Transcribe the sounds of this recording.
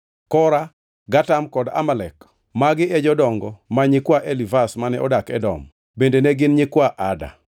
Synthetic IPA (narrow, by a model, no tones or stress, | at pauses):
kɔɾa | ɡatamkɔda̰malɛk | maɡɪɛd͡ʒɔdɔŋɡɔmaɲɪkwaʔelivasmanɛɔdakɛdɔ̰m | bendeneɡɪnɲɪkwaʔada̰